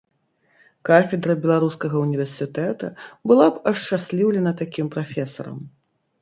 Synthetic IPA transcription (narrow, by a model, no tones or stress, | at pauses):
kafʲɛd̪ɾɐbʲɛlˠaɾuskɐɣɐunʲivʲɛrsʲɨt̪ɛt̪ɐbɨlˠapɐʂt͡ʂasʲlʲiwlʲɛnɐt̪akʲimpɾafʲɛsɐ̰ɾɐ̰m